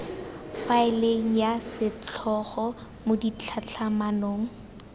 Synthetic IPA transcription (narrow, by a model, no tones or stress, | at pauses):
faɪleŋ̩jasɪt͡ɬʰɔχɔ | modit͡ɬʰat͡ɬʰamanoːŋ̩